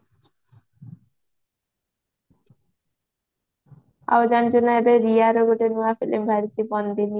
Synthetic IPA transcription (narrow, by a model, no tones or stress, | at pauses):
a̰od͡ʑand͡ʑonaebeɾiaɾoɡoʈenuafelʔembʱaɾit̪ibɔnd̪ini